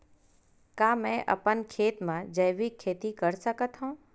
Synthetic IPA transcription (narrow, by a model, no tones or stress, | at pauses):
kaːmɛ̃ʔə̰pənkʰeːt̪mãd͡ʒəjʋikʰːeːt̪ikəɾsəkət̪ɦõː